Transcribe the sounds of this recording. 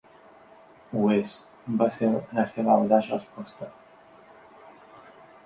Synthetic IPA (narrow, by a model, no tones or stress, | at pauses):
wes | baseɾnaseβad̪asrəspɔst̪a